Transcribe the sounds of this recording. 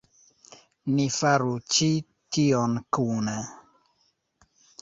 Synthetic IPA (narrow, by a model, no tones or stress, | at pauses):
nifaɾut͡ʃi | tiɔnkuna